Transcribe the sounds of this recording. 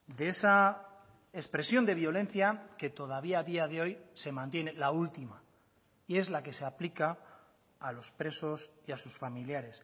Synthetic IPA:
d̪eesa | espɾe̞sjo̞nd̪e̞βjo̞lẽ̞nθjake̞t̪o̞ðaβ̞iaðiað̞e̞o̞jse̞mãnt̪je̞ne̞lault̪ima | ie̞zlake̞se̞aplikaː | lo̞spɾe̞so̞siasusfamiljaɾe̞s

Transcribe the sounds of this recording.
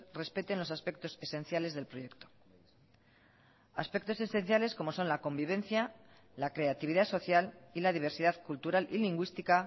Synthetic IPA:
re̞spe̞t̪e̞nlo̞saspe̞k̚t̪o̞se̞sẽ̞n̟θjale̞zðe̞lpɾo̞je̞kt̪o̥ | aspek̚t̪o̞se̞se̞nθjale̞sko̞mo̞so̞nlako̞mbiβ̞ẽ̞nθja | lakɾe̞at̪iβ̞iðaso̞θjalilaðiβ̞eɾsiðaðkult̪uɾalʔiliŋɡwist̪ika

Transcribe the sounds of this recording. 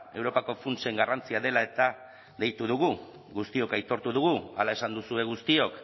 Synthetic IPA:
e̞wɾo̞pako̞funt͡se̞ŋɡarant͡siaðe̞lae̞t̪a | ðejt̪uðuɣu | ɣust̪io̞kajt̪o̞ɾt̪uðuɣualae̞sand̪usue̞ɣ̞ust̪io̞k

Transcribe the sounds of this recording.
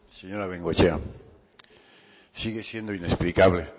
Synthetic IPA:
seɲoɾaβeŋɡot͡ʃea | siɣesje̞nd̪oinesplikaβle

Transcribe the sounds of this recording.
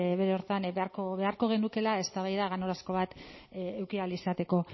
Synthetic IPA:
βe̞ɾeo̞ɾt̪anβeaɾkoβe̞aɾko̞ɣ̞e̞nuke̞lae̞st̪aβ̞ajðaɣano̞ɾasko̞β̞at̪ewkialisat̪e̞ko̞

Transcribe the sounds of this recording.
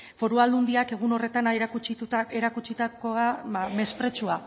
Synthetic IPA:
fo̞ɾuald̪und̪iake̞ɣ̞uno̞re̞t̪anekut͡ʃit̪ut̪aeɾakut͡ʃit̪akoaame̞spɾe̞t͡ʃua

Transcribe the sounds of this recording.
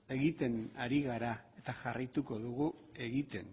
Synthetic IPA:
e̞ɣit̪e̞naɾiɣaɾae̞t̪aʝarajt̪uko̞ðuɣue̞ɣit̪e̞n

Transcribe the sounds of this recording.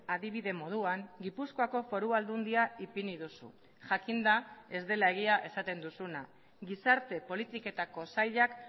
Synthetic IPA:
aðiβ̞iðe̞mo̞ð̞uaŋɡipusko̞ako̞fo̞ɾuald̪und̪iaipiniðusṵ | ʝakind̪ae̞zd̪e̞lae̞ɣ̞iaʔe̞sat̪e̞nd̪usuna | ɡisaɾt̪e̞po̞lit̪ike̞t̪ako̞sajʎak

